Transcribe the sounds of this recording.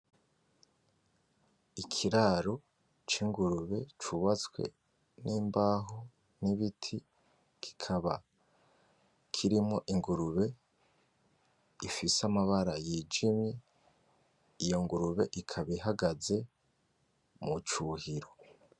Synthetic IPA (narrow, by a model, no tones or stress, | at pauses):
ikʰiɾaɾo̞ | t͡ʃiŋɡuɾuβe̞t͡ʃuβat͡swe̞̰ | nʔiːmbaːɦo | niβitʰi | kʰi̥kʰaβa | kʰiɾimŋo̞ʔiŋɡuɾuβe̞ | ifisamaβaɾajiːd͡ʒimɲe̞ | ijo̞ŋɡuɾuβe̞̰ʔikʰaβiɦaɡaze̞ | mut͡ʃuːhiɾo̞